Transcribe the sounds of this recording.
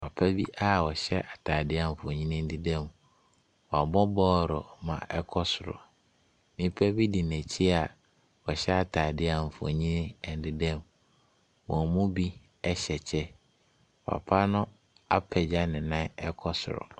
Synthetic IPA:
a˨pʰa˦bi˦ʔa˨wɔ˨ɕɛ˦ʔa˨tʰaː˨dɪ˦a˨m̩˨fɔ˨ɲĩ˦nɪ̃˦n̩˦di˦dɛ̃˦˨m | wɔ˨a˨bɔ˦bɔː˦˨ɾʊ˨mã̰˨ʔɛ˦kʰɔ˦sʊ˨ɾʊ̰˨ | nĩ˦pʰæ˦bi˦di˨næ̃˨t͡ɕʰi˦a˨ | wɔ˨ɕɛ˦a˨tʰaː˨dɪ˦a˨m̩˨fɔ̰˨ɲĩ˦nɪ̃˦˨n̩˨dɪ˦dɛ̃˦m | wɔ̃˨mũ˦bi˦ | ɛ˦ɕɛ˨t͡ɕʰɛ˦ | wɔ˨a̰˨pʰa˦nʊ̃˦ | a̰˦pʰɛ˨d͡ʑa˦nɪ̃˨nã˦ɛ˦kʰɔ˦sʊ˨ɾʊ̰˨

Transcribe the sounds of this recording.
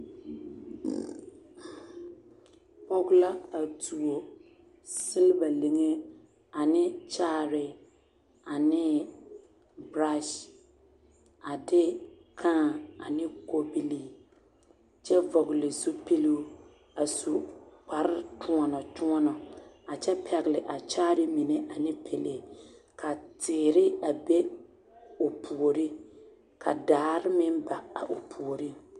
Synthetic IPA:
pɔ˦ɡʊ˦la˦a˨tu˨o˨ | sɪ˦lba˨le˨ŋe˦ | a˨nɪ˦t͡ʃaː˦˨ɾɪ˨ | a˨nɪ˦ | bɾa˦ʃ | a˨dɪ˦ | kʰãː˦˨a̰˨nɪ˦ko˦bi˦li˦ | t͡ʃɛ˦vɔ˨ɣɪ˨lɪ˨zu˦pi˦lu˦ | a˨su˨k͡pa˨ɾɪ˦tʊ˦ɔ˨nɔ˨tu˦ɔ˦nɔ˨ | a˨t͡ʃɛ˦pʰɛ˨ɣɪ˨lɪ˨ʔa˨t͡ʃaː˦ɾɪ˦mi˨nɛ˦ʔa˨nɪ˦pʰe˨le˨ | kʰa˨tɪː˨ɾɪ˦a˨bɛ˦ | o˨pʰu˨o˨ɾi˦ | kʰa˨daː˨˦ɾɪ˦mɪ˦m˦ba˨a˨ʔo˨pʰu˨o˨ɾi˦

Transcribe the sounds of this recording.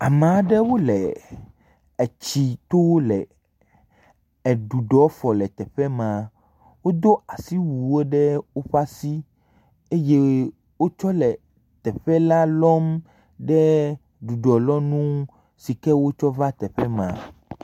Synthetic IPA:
a˨mã˨˦ɖɛ˦wo˦lɛ˨ | ɛ˨t͡ɕi˨t̪o˦wlɛ˨ | ɛ˨ɖu˨ɖɔ˨˦fɔ˨lɛ˨t̪ɛ˨ɸɛ˦mã˨ | wo˦d̪o˦a˨si˦wu˨wo˦ɖɛ˦wo˦ɸa˦si˦ | e˦je˦ | wo˦t͡ʃɔ˦lɛ˨ | t̪ɛ˨ɸɛ˦la˦lɔ˦m | ɖɛ˦ | ɖu˨ɖɔ˨lɔ˦nũ˦ | si˨kɛ˦wo˦t͡ʃɔ˦va˦t̪ɛ˨ɸɛ˦mã̰˨

